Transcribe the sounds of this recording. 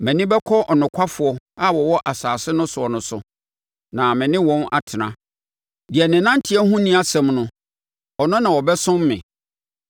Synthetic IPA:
mɛ̃˨nɪ̃˦bɛ˦kʰɔ˦ʔɔ˨nʊ̃˨kʷʰa˦fʊ˨ɔ˦ | a˦wɔ˨wɔ˦ʔa˨saː˨sɪ˦nʊ̃˦sʊ˨ɔ˨nʊ̃˨sʊ̰˨ | nã˨mɪ̃˨nɪ̃˦wɔ̃˦na̰˨tʰɪ˨nã̰˦ | dɪ˨ɛ˨nɪ̃˨nã˦n̩˦tʰɪ˨˦ɛ˦hũ˦nĩ˦a˦sɛ̃˨mnʊ̃˦ | ɔ˨nʊ̃˦nã˨wɔ˨bɛ˦sʊ̃˦m˦mɪ̰̃˨

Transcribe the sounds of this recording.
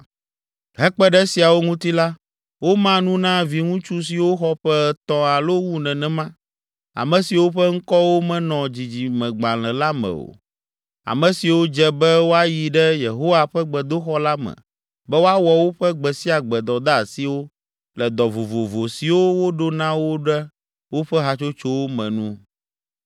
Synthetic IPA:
ɦɛ˦k͡pɛ˦ɖɛ˦si˨a˨wo˦ŋũ˦t̪i˦la˦ | wo˦mã˦nũ˦nã˦vi˨ŋũ˦t͡ʃu˦s̬i˨wo˦xɔ˦ɸɛ˦t̪ɔ̃˦a˨lo˦wu˦nɛ̃˨nɛ̃˦mã˦ | a̰˨mɛ̃˨si˨wo˦ɸɛ˦ŋ̩˦kɔ˦wo˦mɛ̃˦nɔ̃˨d͡ʑi˨d͡ʑi˨mɛ̃˨ɡ͡bã˨l̃ɛ̃˨la˦mɛ̰̃˨o̰˨ | a̰˨mɛ̃˨si˨wo˦d͡ʒɛ˦bɛ˦wo˦a˦ji˨ɖɛ˦je˨ɦo˦wa˨ɸɛ˦ɡ͡bɛ˨d̪o˦xɔ˦la˦mɛ̰̃˨ | bɛ˦wo˦a˦wɔ˨wo˦ɸɛ˦ɡ͡bɛ˨si˦a˨ɡ͡bɛ˨d̪ɔ˨d̪a˦˨si˦wo˦ | lɛ˨d̪ɔ˨vo˨vo˨vo˨si˨wo˦wo˦ɖo˦nã˦wo˦ɖɛ˦ | wo˦ɸɛ˦ɦa˨t͡ʃo˦t͡ʃo˦wo˦mɛ̰̃˨nũ˦

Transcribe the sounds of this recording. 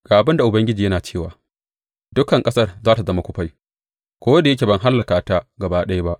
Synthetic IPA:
ɡ̥aː˨ʔa˨bɪ˦nda˨ʔʊ˨bɐ˦ŋɡʲɪ˦d͡ʒiː˨jɐ˦naː˨t͡ʃeː˦˨waː˨ | dʊ˦kɐ˨ŋkʼɐ˦sɐ˦rzaː˦ta˨zɐ˦ma˦kʷʊ˦ɸa˦j | kʷoː˦wa˦da˨jɐ˦kʲe˨bɐ˦˨ŋɦa˦lːɐ˨kaː˨ta˦ɡɐ˨baː˦ɗɐ˦ja˦ba˦ʔ

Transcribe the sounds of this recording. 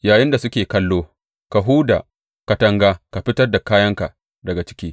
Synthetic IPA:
jaː˨jɪ˦nda˨sʊ˦kʲeː˨kɐ˦lːoː˦ | ka˨ɦuː˦da̰ː˨ | ka˨tɐ˦ŋɡaː˦ka˨ɸɪ˦tɐ˦rda˨kaː˦jɐ˦ŋka˨ | dɐ˨ɡa˨t͡ʃɪ̥˦kʲiː˦

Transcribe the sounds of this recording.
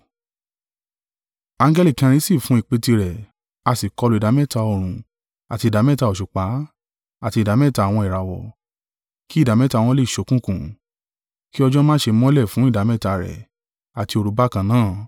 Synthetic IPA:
ã˧ŋɡɛ˦li˦˨kɛ̃˧ɾ̃ĩ˧˦si˦˨fũ˨˦i˦˨k͡pe˧ti˧ɾɛ˨ | a˧si˨kɔ˧lu˨i˨da˨˦mɛ˦˨ta˧˦o˨ɾ̃ũ˨˧ | a˨ti˧˨da˨˦mɛ˦˨ta˧o˨ʃu˨k͡pa˨˦ | a˨ti˧˨da˨˦mɛ˦˨ta˧˦˨w̃ɔ̃˧i˨ɾa˨wɔ̰˨ | ki˦˨da˨˦mɛ˦˨ta˧˨w̃ɔ̃˧˦le˦˨ʃo˨˦kũ˦˨kũ˨ | ki˦ɔ˧d͡ʒɔ˦mãː˦ʃe˧mɔ̃˦lɛ˦˨fũ˨˦i˦˨da˨˦mɛ˦˨ta˧ɾɛ̰˨ | a˨ti˧o˧ɾu˨˦ba˦kã˧nãː˦˨

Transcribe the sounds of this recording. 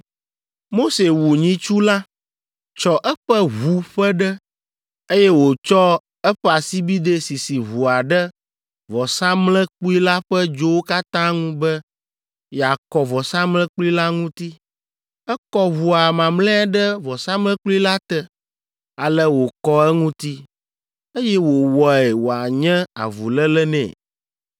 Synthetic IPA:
mo˦se˨wu˨ɲĩ˦t͡ʃu˦la˦ | t͡ʃɔ˦ʔɛ˦ɸɛ˦βu˦ɸɛ˦ɖɛ˦ | e˦jɛ˦wo˨t͡ʃɔ˦ | ɛ˦ɸɛ˦a˨si˦bi˦d̪e˦si˨si˨βu˨a˨ɖɛ˦ | vɔ˨sã˦mlɛ̃˦k͡pu˦i˦la˦ɸɛ˦d͡ʒo˦wo˦ka˦t̪ã˦ŋũ˦bɛ˦ | ja˨kɔ˨vɔ˨sã˦mlɛ̃˦k͡plu˦i˦la˦ŋũ˦t̪i˦ | ɛ˦kɔ˦βu˨a˨mã˨mlɛ̃˦a˦ɖɛ˦vɔ˨sã˦mlɛ̃˦k͡plu˦i˦la˦t̪ɛ˦ | a˨lɛ˦wo˨kɔ˦ɛ˦ŋũ˦t̪i˦ | e˦jɛ˦wo˨wɔ˨ɛ˨wo˨a˨ɲɛ̃˦a̰˨vṵ˨lɛ˦lɛ˦nɛ̰̃˨

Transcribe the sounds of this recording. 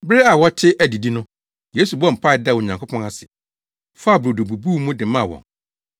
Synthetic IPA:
bɪ˦ɾe˦a˨wɔ˦tʰɪ˦ʔæ˨di˨di˦nʊ̃˦ | je˦su˨bɔ˦m̩˨pʰa˦˨ɪ˨da˦wo˨ɲã˨ŋkʰʷo˦pʰɔ̃˦na˦sɪ˨ | fa˦a˦˨bɾo˨do˨bu˨bu˦mũ˦dɪ˨mã˦˨wɔ̰̃˨ŋ

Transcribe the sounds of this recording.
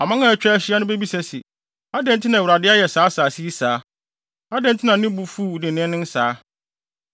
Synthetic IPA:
a˨mã˦ŋã˦˨æ˨t͡ɕᶣɛ˦ɕɪ˦a˦nʊ̃˦be˦bi˦sɛ˨sɪ˨ | a˦dɛ̃˦n˦tʰɪ˦nã˨u˨ɾa˨dɪ˦a˦jɛ˨saː˨˦saː˨si˦i˦saː˨˦ | a˦dɛ̃˦n˦tʰɪ˦nã˨˦nɪ̃˦bu˨fu˦˨dɪ̃˨nɪ̃˦nɪ̃˦n̩˦saː˨˦

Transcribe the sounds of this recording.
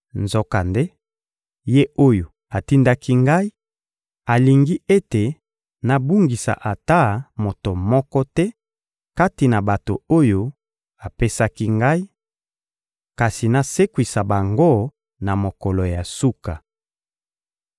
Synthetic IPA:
nzo˨ka˨nde˦ | je˦o˦jo˨ | a˨ti˦nda˦ki˦ŋɡa˦i˦ | a˨li˨ŋɡi˦e˦te˨ | na˨bu˦ŋɡi˨sa̰˨ʔa˨ta˦mo˨to˨mɔ˦kɔ˦tɛ˦ | ka˦ti˨na˨ba˨to˨o˦jo˦ | a˨pe˦sa˦ki˦ŋɡa˦i˦ | ka˨si˨na˨se˦kwi˨sa˨ba˨ŋɡo˦ | na˨mo˨kɔ˨lɔ˨ja˨su˦ka˨

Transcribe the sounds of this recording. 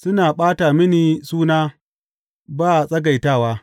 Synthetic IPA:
sʊ˦naː˨ɓaː˦taː˨mɪ˦niː˨suː˦naː˦ | baː˦˨sʼɐ˦ɡa˨jtaː˦˨waː˦

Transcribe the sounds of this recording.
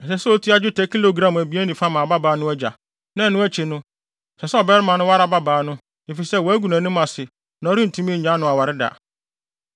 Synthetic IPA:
ɛ˨sɛ˨sɛ˦o˦tʰi˦a˦d͡ʑᶣʊ˦tʰɛ˨kʰi˦lo˦˨ɡɾã˦˨m˨æ˨bi˨˦æ˦nĩ˨fa˦mã˨ba˦baː˨˦nʊ̃˦æ˦d͡ʑa̰˨ | nã˦˨nʊ̃˦æ˦t͡ɕʰe˨nʊ̃˦˨ | sɛ˨sɛ˦ɔ˨bɛ˦ɾɪ˦mã˨nʊ̃˦wa˦ɾa˨˦ba˦baː˨˦nʊ̃˦ | e˨fi˨sɛ˦˨wɔ˨æ˦ɡu˨næ̃˨nʊ̃˦mã˨sɪ˨ | nã˨ɔ˦ɾi˦n̩˨tʰũ˦mĩ˦ɲ̩˨ɲã˦nʊ̃˦a˨wa˨ɾɪ˦da̰˨

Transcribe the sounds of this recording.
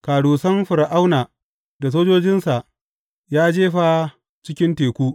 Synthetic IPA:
kaː˨ɽuː˨sɐ˦mɸʊ˨ɾʔa˦wnaː˨ | da˨s̬oː˦d͡ʒoː˦d͡ʒɪ˦nsa˨ʔ | jaː˦d͡ʒeː˦ɸa˦ | t͡ʃɪ˦kʲɪ˦nteː˨kʷuː˦

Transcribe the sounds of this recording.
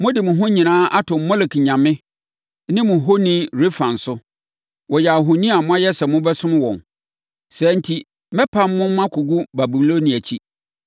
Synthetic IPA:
mʊ̃˦dɪ˨mʊ̃˨ɦʊ̃˦ɲĩ˨nãː˦ʔa˦tʰʊ̃˨m˦mɔ˦le˨kɲã˨mɪ̃˦ | nɪ̃˦mʊ̃˨ɦo˦nɪ̃˦ɾe˦fã˨n̩˨sʊ˦ | wɔ˨jɛ˨a˨ɦʊ̃˨nĩ˦a˨mʊ̃˦a˦jɛ˦sɛ˨mʊ̃˦bɛ˦sʊ̃˦m˦wɔ̰̃˨n | sɛ˨n̩˦tʰi˦ | mɛ̃˦pʰã˦mː˦ʊ̃˦mã˦kʰʊ˨ɡu˦ba˨bu˨m˦lo˦nĩ˨æ˨t͡ɕʰi˦

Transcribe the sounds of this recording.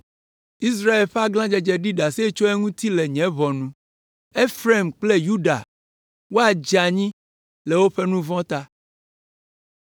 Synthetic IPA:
i˦s̬ɾa˦e˨lɸa˦ɡlã˦d͡ʒɛ˦d͡ʒɛ˨ɖi˦ɖa˨se˦t͡ʃo˦ɛ˦ŋũ˦t̪i˦lɛ˨ɲɛ̃˨˦βɔ˨nũ˦ | e˦fɾe˦˨mk͡ple˦ju˦ɖa̰˨ | wo˦a˨d͡ʒa˨ɲĩ˦ | lɛ˨wo˦ɸe˦nũ˦vɔ̃˦t̪a˦

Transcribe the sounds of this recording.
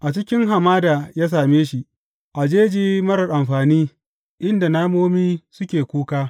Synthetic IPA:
ʔa˨t͡ʃɪ˦kʲɪ˦ŋɦa˨maː˦da˨jaː˦s̬aː˨meː˦ʃi˦˨ | ʔa˨d͡ʒeː˦d͡ʒiː˦mɐ˦ɾɐ˨rʔa˨mɸaː˨niː˦ | ʔɪ˦nda˨naː˦moː˦miː˦sʊ˦kʲeː˨kʷuː˦kaː˦

